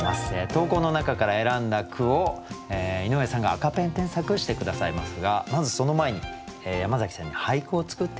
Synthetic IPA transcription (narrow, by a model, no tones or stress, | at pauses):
ma̰set̪o̞ːko̞ːnonakakaɾae̞ɾãnd̪akʰɯ̟o̞eino̞esãŋɡaːkapẽ̞nt̪ẽ̞ɰ̃sakɯ̟ɕi̥t̪e̞kɯ̟d̪asaimasɨɡamazɨso̞no̞maeɲ̟i | eːjamazakʲi̥sẽɲnːihaikɯːt͡sɨ̥kɯ̟t̪ːe